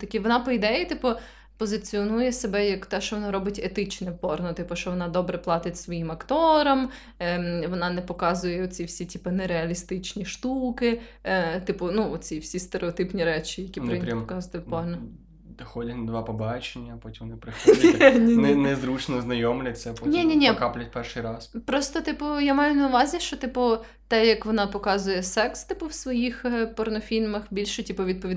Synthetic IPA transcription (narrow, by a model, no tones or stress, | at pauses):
t̪ɐkʲiʋɔnɑpɔid̪ɛjit̪ɪpʊ | pɔzɪt͡sʲiɔnujɛsebɛjɐkt̪ɛʃt͡ʃɔʋɔnɑɾɔbɪtʲet̪ɪt͡ʃnɛwpɔrnɔt̪ɪpʊʃt͡ʃɔʋɔnɑd̪ɔbɾɛplˠɑt̪ɪtʲsʋɔjimɐkt̪ɔɾɐm | ʋɔnɑnɛpɔkɑzʊjɛɔt͡sʲiwsʲitʲipɐnɛɾeɐlʲist̪ɪt͡ʃnʲiʃt̪ukɪt̪ɪpʊnuɔt͡sʲiwsʲist̪eɾʔeɔt̪ɪpnʲiɾɛt͡ʃijɐkʲipɾʲpɔkazʊt̪ɛpɔɦnɐ | d̪ɐxɔdʲɐtʲnɐd̪ʋɑpɔbɑt͡ʃenʲːɐpɔtʲimnɪpɾɪxnnʲinnɛzɾut͡ʃnɔznɐjɔmlʲɐt͡sʲːɐpɔnʲinʲinʲikaplʲɐt̚ʲpɛrʃɨjɾɑspɾɔst̪ɔt̪ɪpʊjamɑjʊnɐʊʋɑzʲiʃt͡ʃɔt̪ɪpʊ | t̪ɛjɐkʋɔnɑpɔkɑzʊjɛsɛkst̪ɪpʊwsʋɔjixpɔrnɔfʲilʲmɐxbʲilʲʃɛtʲipɔʋʲid̪̚pɔʋʲid